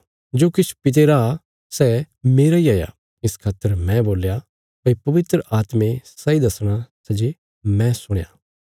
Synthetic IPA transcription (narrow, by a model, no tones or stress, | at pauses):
d͡ʒoːkɪt͡ʃʰu̥pɪt̪̬eɾa | sɛ | meːɾaiaːja̰ | ɪskʰaːt̪ːəɾmɛ̃boːlja | pɐipɐʋɪt̪ɾəʔaːt̪mẽsɐid̪ɐsɽ̃asɛd͡ʒe | mɛ̃sʊɽ̃ja̰ː